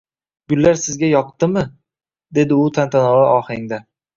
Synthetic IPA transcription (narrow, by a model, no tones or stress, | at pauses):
ɡʊlːaɾsɪzɡʲajɒqt̪ɪmɪ | d̪e̞d̪ɪʊt̪ʰant̪ʰanɒvaʔɒχɪŋd̪a